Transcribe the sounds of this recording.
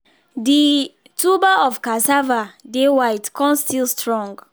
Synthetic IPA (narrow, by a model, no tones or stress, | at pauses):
di | tʰubaɔfkasavadewaɪtkʰɔ̃nstilstɹɔ̃ŋɡ